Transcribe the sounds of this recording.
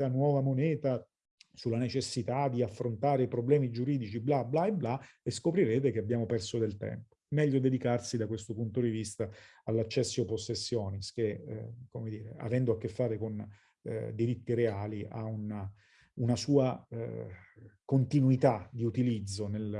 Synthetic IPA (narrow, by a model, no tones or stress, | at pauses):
anwɔːvamonɛːt̪a | sulːanet͡ʃesːit̪ad̪iafːɾont̪aːɾeipɾoblɛːmid͡ʒuɾiːd̪it͡ʃiblablaeblaeskopɾiɾeːt̪ekeabjaːmopɛrsod̪elt̪ɛ̰mpo̥mɛʎːod̪ed̪ikarsid̪akwest̪opunt̪od̪ivist̪a | alːat͡ʃːɛsːioposːesːjɔːnisk̟ekomed̪iːɾea̰vɛnd̪oakːefːaːɾekon | d̪iɾit̪ːiɾeaːliʔa̰una | unasuːa | kont̪inuit̪ad̪iut̪ilid̪zːonel